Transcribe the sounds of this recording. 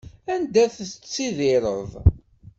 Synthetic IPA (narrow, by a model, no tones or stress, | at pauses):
ænd̪æθt͡sːiðɪɾˤə̰ðˤ